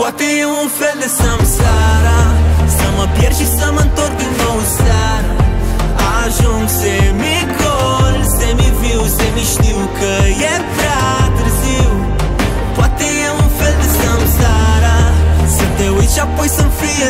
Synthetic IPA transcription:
pwat̪iũfeld̪ɨsɐ̃msaɾasɐmɐpjɛɾʃisɐmɐ̃nt̪oɾɡ̪inowsaɾɐ | aʒũ | semi | ɡolsemiviwsemiʃt̪i | kəjɛ | pɾat̪ɨɾzi | pwat̪i | ũfeld̪ɨsɐ̃msaɾased̪ewit͡ʃapojsɐ̃mfɾiɐ

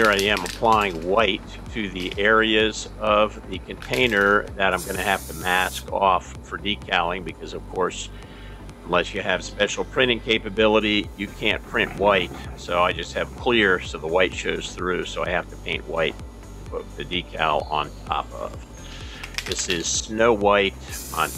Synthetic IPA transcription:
hiɹaɪɨ̃məpʰl̥aɪɪ̃ŋwaɪtʰɨðiʔɛɹiɨzʌvðɨkʰɨ̃ntʰẽɪ̃nə˞ðɨɾãɪ̃mɡʌnɨhæftɨmæskɔfːə˞dikʰalˠɪ̃ŋbɨkʰʌzʌv̥kʰɔɹs | ə̃nlɛsjɨɨv̥spɛʃl̩ˠpʰɹ̥ɪ̃ɾ̃ɪ̃ŋkʰeɪpɨbɪlˠəɾijɨkʰæ̃npʰɹ̥ɪ̃nʔwaɪt̚soʊaɪd͡ʒʌst̚hɨv̥kʰl̥ɪɹsoʊðəwaɪtʃoʊz̥θɹʉsoʊaɪhæftɨpʰẽɪ̃nʔwa̰ɪt̚ | pʰʊt̪̚ðɨdikʰa̰lˠə̰̃ntʰɑ̰pʌ̰v̥ | ðɪsɪz̥snoʊwaɪt̚

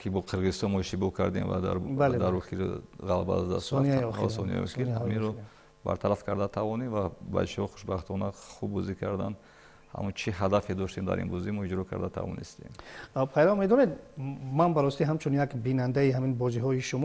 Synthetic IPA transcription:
kʰibɔqʰiɾʁizist̪ɔnmɔiʃt̪ibɔkʰa̰ɾd̪ḛmva̰d̪a̰ɾbald̪aɾɔkiɾʁalba̰zd̪a̰ssɔniaɔsɔnia̰jɔ̰kihaminɾɔ | ba̰ɾt̪ʰaɾafkʰaɾd̪at̪ʰavɔnemvaba̰iʃhɔχu̥ʃbaχt̪ʰɔnaχubːɔzikʰaɾd̪an | ha̰mut͡ʃʰiɦad̪afed̪ɔʃt̪emd̪a̰ɾḭnbɔzimɔid͡ʒɾɔkʰa̰ɾd̪at̪ʰa̰vɔ̰nist̪ḛmpʰajɾavmed̪ɔned̪manbaɾɔst̪iɦamt͡ʃʰunjakbinand̪aiɦaminbɔziɦɔiʃumɔ

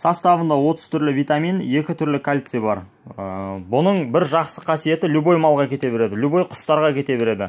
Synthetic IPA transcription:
sɑst̪ɑvənd̪ɑwo̞t̪əz̥t̪ʰʏɾlɪvʲijt̪amine̞kʲɪt̪ʰʏɾlɪkʰalʲt̪sɨjbɑɾ | bʊnəɴbɪɾʒɑqsəqʰɑsije̞t̪ɪlʲubo̞jmɑlˠʁɑkʲʰe̞t̪e̞beɾe̞d̪ɪlʲubo̞jqʰʊ̥st̪ɑɾʁɑkʲʰe̞t̪e̞beɾe̞d̪ɪ

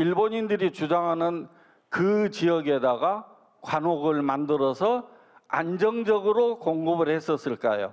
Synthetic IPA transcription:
iɭboɲindɯɾit͡ɕud͡ʑaŋɦanɯn | kɯt͡ɕijʌɡe̞daɡa | kwanoɡɯɭmandɯɾʌsʰʌ | a̰nd͡ʑʌŋd͡ʑʌɡɯɾokoŋɡɯbɯɭhe̞s͈ʌs͈ɯɭk͈a̰jo̰

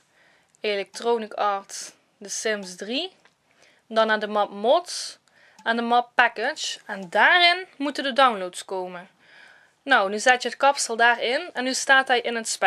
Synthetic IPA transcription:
elɛk̚trownɪkɑːɹts | dəsɪmsdri | dɑnadəmɑp̚mɔts | ɛndəmɑpːɛkɪd͡ʒɛndaːrɪnmutəndədawnlowtskowmən | nawnyzatjəətkɑpsəlˠdaːrɪnɛnːystaːtɦɛjʔɪnətspɛ

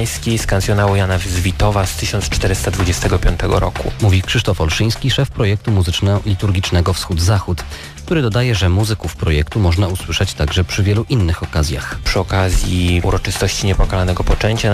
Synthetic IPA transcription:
jskʲejskant̪sʲjɔnawujanavzvʲit̪ɔvast̪ɘɕɔnt̪st͡ʂt̪ɛɾɘst̪ad̪vud͡ʑɛst̪ɛɡɔpʲjɔnt̪ɛɡɔ̰ɾɔ̰kṵmuvʲikʂɘʂt̪ɔfɔlʂɘj̃skʲiʂɛfpɾɔjɛk̚t̪umuzɘt͡ʂnɛlʲit̪uɾɡʲit͡ʂnɛɡɔfsxud̪zaxut̪ | kt̪uɾɘd̪ɔd̪ajɛʐɛmuzɘkufpɾɔjɛkt̪umɔʐnauswɘʂɛt͡ɕt̪aɡʐɛpʂɘvʲjɛluʔinːɘxɔkazʲja̰xpʂɘɔkazʲjiuɾɔt͡ʂɘst̪ɔɕt͡ɕiɲɛpɔkalanɛɡɔpɔt͡ʂɛɲt͡ɕa

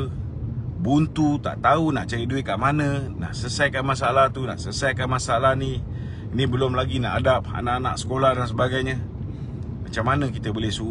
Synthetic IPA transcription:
bunt̪ut̪a̰ʔt̪aunaʔt͡ʃaɾiduɪt̪̚kaʔmanə̃na̰ʔsəsajkanmasalaht̪una̰ʔsəsajkanmasalahni | inibəlʊmlaɡinaʔadap̚a̰naʔanaʔsə̥kolahdans̬əbaɡajɲə | mat͡ʃamːanəkit̪əbolɛhsu

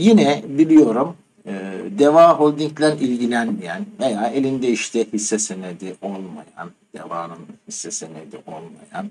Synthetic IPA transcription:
jinɛbilʲijo̞ɾum | ɯːd̪evaːɦolʲd̪iɲclʲænilʲɟilʲænmijænvejaːe̞lʲind̪ɛiʃt̪ʰɛhisːɛsened̪iʔolˠma̰ja̰n | d̪̥ḛvaːnɯnhisːɛsened̪iʔo̞lˠma̰ja̰n

